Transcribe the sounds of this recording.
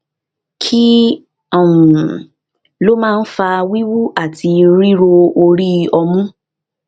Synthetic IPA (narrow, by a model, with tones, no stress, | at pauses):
kʰi˦ | ɔ̃˦˨ũ˨ | lo˦mãː˦˧n̩˦fa˧wi˦wu˦a˦˨tʰi˧ɾi˦ɾo˧o˧ɾi˦˧ɔ˧mũ˦